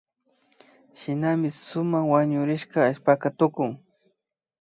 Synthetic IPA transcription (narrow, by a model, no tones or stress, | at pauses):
ʃɪnamɪsʊmaχwaɲʊɾɪʃkaːʎpakat̪ʊkʊŋ